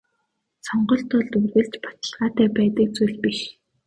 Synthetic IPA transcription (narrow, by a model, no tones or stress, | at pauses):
t͡sɔɴɢɞ̆ɬt̪ʰɔɮt̪urɣɘ̆ɮt͡ɕpḁt͡ɕ̪ə̆ɮʁaːt̪æːpæːt̪ə̆kt͡sujɮpiʃ